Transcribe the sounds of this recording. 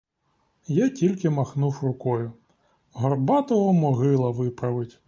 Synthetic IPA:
jatʲilʲkɪmɐxnuwrʊkɔjʊ | ɦɔrbɑt̪ɔɦɔmɔɦɪlˠɐʋɪpɾɐʋɪtʲ

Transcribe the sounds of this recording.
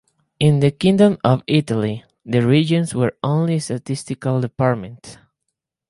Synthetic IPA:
ɪ̃nðɨkɪ̃ŋdə̃mɔvitali | ðəɹid͡ʒɔ̃nswəɹõnlistatɪstɪkalˠdəpaɹmɛ̃nt

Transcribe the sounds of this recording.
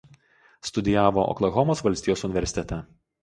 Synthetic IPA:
st̪ʊd̪ʲɪjæːʋoʔɔ̰klˠɐɣɔmoːsʋɐlʲsʲt̪ʲiːjoːsʊnʲɪʋʲɛɾʲsʲɪt̪ʲɛt̪ʲɛ

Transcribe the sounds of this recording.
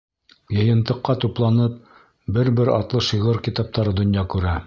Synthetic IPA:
jɤ̆jɤ̆nt̪ɤ̆qːɑt̪uplˠɑnɤp̚ | bɘɾbɘɾɑ̰t̪lˠɤʃɤʁɤɾkit̪ɑp̚t̪ɑɾɤd̪ŏnjɑkʉɾæ

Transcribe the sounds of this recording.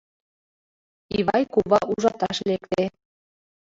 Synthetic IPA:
iβɑjkuβɑʔuʒɑt̪ɑʃlekt̪e

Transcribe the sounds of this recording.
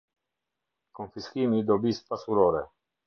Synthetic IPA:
konfiskimid̪obiːspasuɾoːɾɛ

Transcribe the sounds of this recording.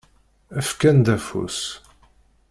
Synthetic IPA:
æfkænd̪æfṵs

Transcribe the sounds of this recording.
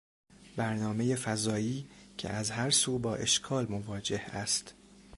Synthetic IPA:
bæɾnɒːme̞je̞fæzɒːiːcʰḛʔæzhæɾsuːbɒːʔe̞ʃkʰɒːlmovɒːd͡ʒe̞hæst̪

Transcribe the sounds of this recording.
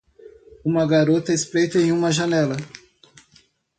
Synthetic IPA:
ũmɐɡaɾot̪ɐɪspɾejt̪ɐẽj̃ũmɐʒɐnɛlɐ

